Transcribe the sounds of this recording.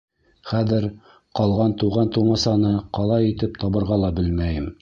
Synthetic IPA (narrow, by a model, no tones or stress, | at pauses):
χæðɘɾ | qɑlˠʁɑnt̪uʁɑnt̪umɑsɑnɤqɑlˠɑjit̪ɘp̚t̪ʰɑβɤ̆ɾʁɑlˠɑbɘlmæjɘm